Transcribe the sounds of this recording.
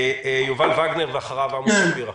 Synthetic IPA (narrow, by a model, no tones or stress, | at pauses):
juvalvaɡneʁveaχaʁavamuʃviʁa